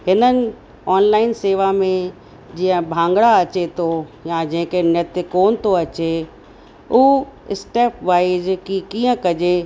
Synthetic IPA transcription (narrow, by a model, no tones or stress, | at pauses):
hɪnənɪ̆ | ɔːnlaːɪnseːʋamẽ | d͡ʑiːə̃bʱãːŋɡɽaɐt͡ɕet̪ʰojad͡ʑɐ̃ɦɪ̃kenɛt̪ɪkoːnɪ̆t̪ʰoɐt͡ɕe | uɪsʈeːpʋaːizkikiːə̃kɐd͡ʑe